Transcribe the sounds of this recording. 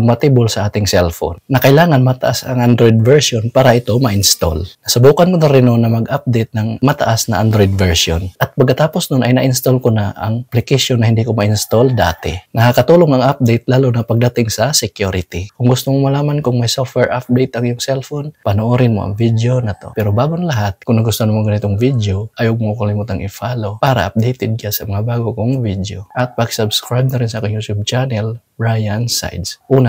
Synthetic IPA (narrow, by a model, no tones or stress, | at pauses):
ʊmpɐt̪ibolsɐʔaːt̪ɪŋsɛlfo̰nːɐkɐʔɪlaːŋɐnmɐt̪ɐ̰ʔasɐ̰ŋʔand̪ɾojd̪̚vɛɹsonpaːɾɐʔɪt̪o̞mɐʔɪnst̪o̰lnɐsɐbuːkɐnkonaɾɪnːonːɐmɐɡʔap̚d̪ejt̪̚nɐŋmɐt̪ɐ̰ʔasnɐʔand̪ɾojd̪̚vɛɹso̰nʔɐt̪̚pɐɡkɐt̪aːpo̞snʊnɐjnɐʔɪnst̪olkonaʔɐ̰ŋplɪkɪsonːɐhɪnd̪iːkomɐʔɪnst̪old̪a̰ːt̪ɛnɐkakɐt̪uːloŋɐŋʔap̚d̪ejt̪̚laːlonɐpɐɡ̚d̪ɐt̪ɪŋsɐsɛkjuɾɪt̪ɪkʊŋɡʊst̪omomɐlaːmankʊŋmɐjsofwɛɹʔap̚d̪ejt̪ɐŋjʊŋsɛlfonpɐnoʔoːɾɪnmo̰ʔɐ̰ŋvid̪eonɐt̪o̞̰pɛːɾobaːɡonlɐɦat̪̚kʊŋnɐɡʊst̪onɐmaɡɐnɪt̪oŋvid̪eo̞ʔɐjoɡ̚mokɐlɪmuːt̪aŋʔɪfaːlopaːɾɐ̰ʔɐ̰p̚d̪ejt̪ɪd̪̚kasɐmɐŋabaːɡokoŋvid̪eoʔɐt̪̚paksɐbskɾajb̚nɐɾɪnsɐʔaːkɪŋjut̪jub̚t͡ʃanɛl | bɹajɐnsa̰jd̪sʔuːna